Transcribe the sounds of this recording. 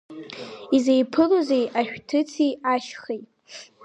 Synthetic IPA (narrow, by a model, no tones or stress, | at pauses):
izejpʰɨlozejaʃᶣtʰɨt͡sʰijaʃχejtʼ